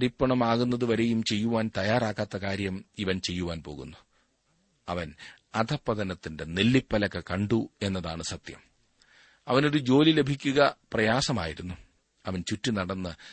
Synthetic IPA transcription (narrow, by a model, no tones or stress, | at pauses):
ɐɾipːɐɳɐmaːɣunːɐðɨʋɐɾe̞jumt͡ɕe̞jːuʋaːnt̪ɐjaːɾaːkːaːt̪ːɐkaːɾjɐmiʋɐnt͡ɕe̞jːuʋaːnpo̞ːɣṵnːu | ɐʋɐn | ɐd̪ʱɐpːɐðɐnɐt̪ːinde̞ne̞lːipːɐlɐkːɐkɐɳɖue̞nːɐðaːɳɨsɐt̪jɐ̰m | ɐʋɐno̞ɾud͡ʑo̞ːlile̞bʱikʲːuɣɐprɐjaːsɐma̰ːjiɾunːu | ɐʋɐnt͡ɕutːinɐɽɐnːɨ